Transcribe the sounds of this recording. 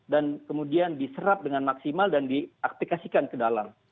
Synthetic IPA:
dankəmudiandisəɾap̚dəŋanmaksimaldandiak̚t̪ikasikankədalam

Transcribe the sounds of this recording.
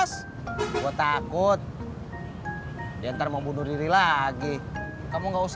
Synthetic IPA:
s | wat̪akʊt̪̚ | diant̪aɾamabunudiɾilaɡi | kamuŋɡaus

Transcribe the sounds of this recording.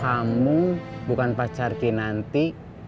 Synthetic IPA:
amubukanpat͡ʃarɡinant̪i

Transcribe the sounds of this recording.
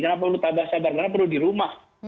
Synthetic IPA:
kənap̬aulut̪abaht͡ʃabarkənap̬ərludiɾumah

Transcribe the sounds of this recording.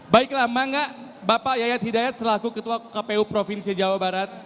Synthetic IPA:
baiklahmaŋɡaʔbapaʔjajat̪̚hidajat̪̚səlakukət̪uakapeupɾofinsiad͡ʒawabaɾat̪̚

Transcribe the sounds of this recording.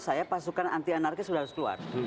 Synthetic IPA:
sajapasukanant̪ianarkɛsudaɾʊslua̰r

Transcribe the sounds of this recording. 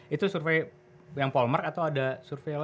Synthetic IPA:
it̪usurfej | jaŋpɔlmarkat̪awadasurfel

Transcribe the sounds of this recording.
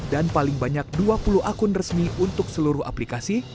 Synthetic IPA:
danpalɪŋbaɲak̚duapuluakʊnrəsmiunt̪ʊk̚səluɾʊha̰plikasi

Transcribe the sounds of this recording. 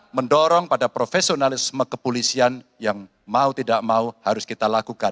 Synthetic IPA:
məndɔɾɔŋpadapɾofesionalɪsməkəpulisian | jaŋ | maut̪idaʔmauhaɾʊskit̪alakuka

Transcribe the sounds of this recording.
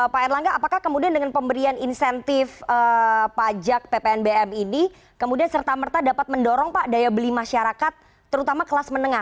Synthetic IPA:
paɛrlaŋɡaʔapakahkəmudiandəŋanpəmbəɾianinsɛnt̪ɪfəpad͡ʒak̚pepeɛnbeɛmini | kəmudiansərt̪amərt̪adapat̪̚məndɔɾɔŋpaʔdajabəlimaʃaɾakat̪̚ː | əɾut̪amakəlasmənəŋa

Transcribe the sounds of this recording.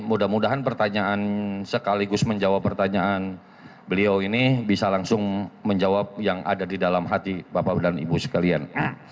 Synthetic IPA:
mudahmudaɦanpərt̪aɲaʔansəkaliɡʊsməɲd͡ʒawapːərt̪aɲaan | bəliawinibisalaŋsʊŋməɲd͡ʒawap̚jaŋa̰dadidalamɦat̪ibapadanḭbusə̥kalia̰n

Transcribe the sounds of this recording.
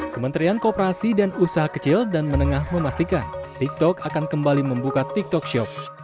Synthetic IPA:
kəmənt̪ɾiankəopəɾasidanusaɦakə̥t͡ʃɪldanmənəŋahməmast̪ikant̪ik̚t̪ɔkakankəmbaliməmbukat̪ik̚t̪ɔk̚ʃɔp̚

